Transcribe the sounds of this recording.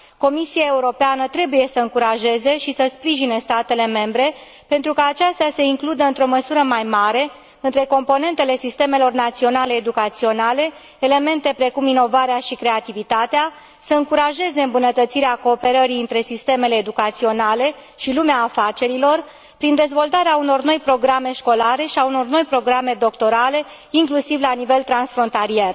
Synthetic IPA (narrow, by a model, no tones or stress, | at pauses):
ko̞misiaeuɾo̞peanət̪ɾe̞buje̞səɨŋkuɾaʒe̞ze̞ʃisəspɾiʒinest̪at̪e̞le̞me̞mbɾe̞ | pe̞nt̪ɾukaːt͡ʃast̪ase̞iŋklud̪əɨnt̪ɾo̞məsuɾəmajmaɾe̞ | ɨnt̪ɾe̞ko̞mpo̞ne̞nt̪e̞le̞sist̪e̞me̞lo̞rnat̪sio̞nale̞ːd̪ukat̪sio̞nale̞ː | le̞me̞nt̪e̞pɾe̞kumino̞vaɾeaʃikɾe̞at̪ivit̪at̪ea | səɨŋkuɾaʒe̞ze̞ɨmbunət̪ət̪siɾeako̞ːpe̞ɾəɾiɨnt̪ɾe̞sist̪e̞me̞le̞ːd̪ukat̪sio̞nale̞ | ʃilumeaːfat͡ʃe̞ɾilo̞r | pɾind̪e̞zvo̞lt̪aɾeauno̞rno̞jpɾo̞ɡɾame̞ʃko̞laɾe̞ʃiauno̞rno̞jpɾo̞ɡɾame̞d̪o̞kt̪o̞ɾale̞ | iŋklusivlanive̞lt̪ɾansfɾo̞nt̪alie̞r